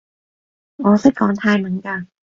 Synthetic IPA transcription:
ʔɔː˨˥sa˧˥˩jkɔː˨˦nt̪ʰaː˧jmɯ˨˩˦nka˧˩

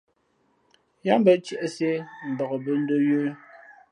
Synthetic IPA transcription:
ja˦m˦bə˦t͡ʃə˦˨ʔə˨se˦m̩˨bɔ˨ɣə˨bə˦n̩˦do˦jo˦

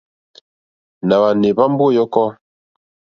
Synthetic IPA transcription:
na˨ba˨ne˨ba˦m˦bo˦˨jɔ˦kɔ˦

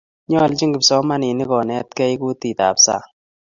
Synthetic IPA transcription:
ɲɔ˦˨lt͡ʃi˦ŋɡɪ˨psɔ˨˦ma˦nɪ˨ni˦kɔ˨nɛ˨˦t̚kɛ˦i˦ku˦ti˨t̪a̰˨psa̰˦˨

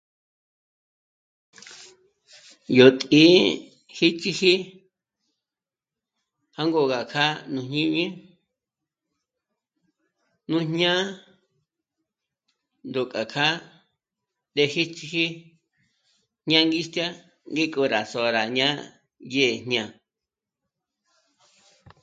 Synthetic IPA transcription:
jo˨t̪ʼĩ˨˦ | hi˦t͡ʃi˧hi˦ | ha˦ŋɡo˧˨ɣa˨kʰa˦nũ˧ɲɲĩ˦ɲĩ˦ | nũ˦ɲɲã˦ | nd̪o˨kʼa˨kʰa˦ | d̪e˧hi˦t͡ʃi˧hi˦ | ɲ̥ɲã˦ŋɡi˦st̪ja˦ | ŋɡi˦kʼo˧˨ɾa˨so˨ɾa˨ɲã˦ | je˦˨ɲɲã˧˨

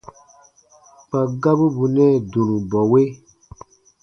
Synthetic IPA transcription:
pa˨ɡa˦bɨ˦bu˨nɛ˦˨dũ˨nũ˨bɔ˨we˦

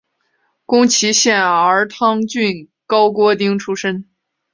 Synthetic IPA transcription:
kʊ˥ŋt͡ɕʰi˧˥ɕjɛ˥˩nə˞˧˥t̪ʰɑ˥ŋt͡ɕy˥˧n | kɑ˥ʊkwɔ˥t̪i˥ŋʈ͡ʂʰu˥ʂə˥n

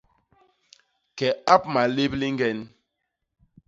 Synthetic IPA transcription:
kɛ˨a˦p̚ma˨le˦bli˦ŋ˦ɡɛ˦n

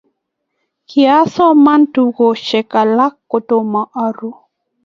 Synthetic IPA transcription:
kja˦sɔ˦ma˦ntuɡo˨ʃɛ˨ka˨la˦kːo˨to˨ma˨ʔa˦ɾu˦

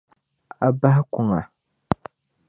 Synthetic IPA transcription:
a˨ba˦hɪ˦kʊ˨ŋa˨

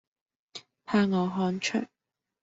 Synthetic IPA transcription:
pʰaː˧˥ŋɔː˨˧ɦɔː˨˥nt͡ʃʰɵ˨˩

